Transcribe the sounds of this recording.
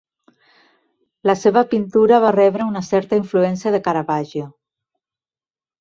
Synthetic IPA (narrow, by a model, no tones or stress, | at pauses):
laseβapint̪uɾaβ̞arɛβɾəunasɛɾt̪aiɱfluɛnsiaðekaɾaβaʒo